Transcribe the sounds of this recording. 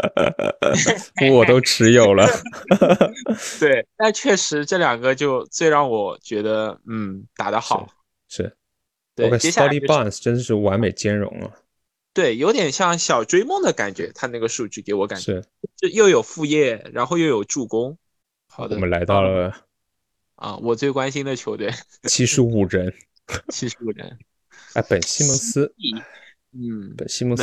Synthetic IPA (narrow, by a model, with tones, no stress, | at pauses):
u˥wɔ˨˩t̪o˥ʊʈ͡ʂʰɻ̩˧˥jo˨˩ʊlə˦ | t̪we˥˩ɪt̪a˥˧t͡ɕʰɥɛ˥˩ʂɻ̩˧˥ʈ͡ʂɤ˥˩ljɑ˨˩ŋɡə˦t͡ɕjo˥˧ʊt͡swe˥˧ɪɻɑ˥˩ŋwɔ˨˩˦t͡ɕɥɛ˧˥d̪ə˧n̩˥˩t̪a̰˨˩d̪ə˦xɑ˨˥˦ʊ | ʂɻ̩˥˩ | t̪we˥˩ka˥˩˥a˥ɑ˥li˥pa˥˩nsʈ͡ʂə˥nd̪ə˨ʂɻ̩˥˩wa˧˥nme˨˩ɪt͡ɕjɛ˥nɻʊ̰˧˥ŋə̰˧ | t̪we˥˩ɪjo˧˥ʊt̪jɛ˨˩nɕjɑ˥˩ŋɕjɑ˨˩ʊʈ͡ʂwe˥ɪmʊ˥˩ŋd̪ə˩ka˨˩nt͡ɕɥɛ̰˧˥t̪ʰa˥na˥˩ɡə˩ʂu˥˧t͡ɕy˥˩ke˧˥ɪwɔ˧˥ka˨˩ʂɻ̩˥˩˥ʂ̩˥˧jo˥˩ʊjo˨˩ʊfu˥˧jɛ˥˩ɻa˧˥nxʊjo˥˩ʊjo˨˩ʊʈ͡ʂu˥˩kʊ˥ŋ | xɑ˨˩d̪ɔə˦˩mə˦nla˧˥ɪt̪ɑ˥˩ʊlə˩ | ə̰˥˧wɔ˨˩t͡swe˥˩ɪkwa˥nɕi˥nd̪ə˨t͡ɕʰjo˧˥ʊt̪we˥˩ɪ | t͡ɕʰi˥ʂɻ̩˧˥u˨˩ɻə˧˥n | t͡ɕʰi˥ʂ̩˧˥u˨˩ɻə̰˧˥n | a˥˩pə˨˩nɕi˥mʊ˧˥ŋsɹ̩˥˧˥ | n̩˥˩pə˨˩nɕi˥m˧˥ŋ